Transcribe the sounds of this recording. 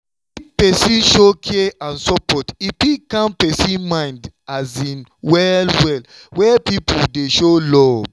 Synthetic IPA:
ipɛsĩnʃokʰeãnsɔpɔtipikãnpɛsĩnmãɪ̃ndazĩnwɛlwɛl | wɛpipudeʃolɔ

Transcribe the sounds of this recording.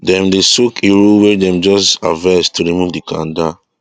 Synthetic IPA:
dɛ̃mdesukʰeɹuwɛdɛ̃md͡ʒɔsa̰vastuɹimuvdikʰãnda

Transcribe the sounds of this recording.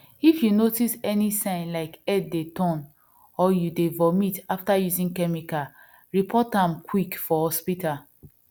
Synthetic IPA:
ifjunotisɛnisãɪ̃nlaɪkɛd̚detʰɔ̃n | ɔjudevɔmitaftajuzĩŋkɛmika | ɹipʰɔtãmkʰwikfɔhɔspita

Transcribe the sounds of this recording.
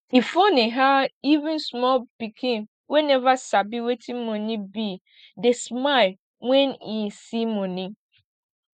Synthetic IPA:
hifoniɦaivɪ̃nsmɔlpikʰĩn | wɛnɛvasabiwetʰĩmɔ̃nĩbi | desmaɪl | wɛ̃nisimɔ̃nĩ

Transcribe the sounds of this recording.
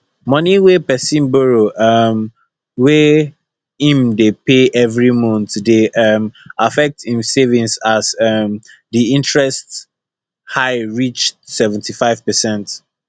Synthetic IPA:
mʌ̃niwepɛsĩnbɔɹoʔʌm | we | ĩmdepeʔɛvɹimɔ̃ntdeʔʌmafɛk̚tĩmsevĩŋsasʌm | diĩntɹɛst | haɪɹit͡ʃsɛvɛ̃ntʰifaɪv̥pəsɛ̃nt

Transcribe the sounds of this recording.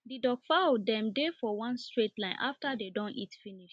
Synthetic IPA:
didɔkfadɛ̃mdefɔwãnstɹetlãɪ̃nʔaftadedõnitfiniʃ

